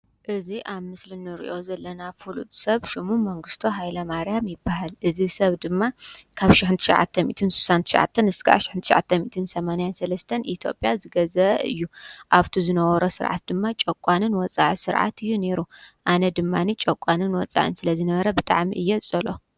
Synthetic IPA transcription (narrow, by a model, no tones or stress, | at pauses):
ʔɨziʔaβmɨslɨnɨɾḭʔo̞zɐlːɐnafulṵt̪ʼsɐβʃimumɐŋɡɨst̪ʰoɦajlɐmaɾjamjɪbːaɦalʔɨzisɐβd̪ɨmːakʰaβʃɪħɨnt̪ʰɨ̥ʃɐ̰ʕa̰t̪ʰːɐmḭt̪ʰɨnsu̥sant̪ʰɨʃɐ̰ʕa̰t̪ʰːɐnɨskʰa̰ʃɪ̥ħɨnt̪ʰʃɐʕa̰t̪ʰːɐmit̪ʰɨnsɐmanajansɐlɐst̪ʰɐnit̪ʰjo̞̰pʼjazɨɡɐzɐɨ̰jːuʔaβt̪ʰizɨnɐwɐɾosɨɾʕa̰t̪̚d̪ɨmːat͡ʃʼɐkʷʼːanɨnwɔt͡sʼa̰ʕisɨɾʕa̰t̪ʰɨjːuneɾuʔanɐd̪ɨmːanit͡ʃʼɐkʷʼːanɨnwɔt͡sʼa̰ʕɨ̰nsɨlɐzɨnɐβɐɾɐbɨt̪ʼa̰ʕmḭʔɨjːɛt͡sʼɐlo̞